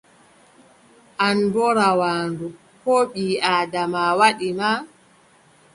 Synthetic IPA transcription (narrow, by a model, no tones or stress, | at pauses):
ʔandɔɾawaːndu | kɔːɓiːaːdamawaɗima